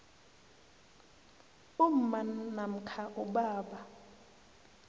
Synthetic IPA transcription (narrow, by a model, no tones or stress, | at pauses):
um̩manam̩kʰaʔʊɓaːɓa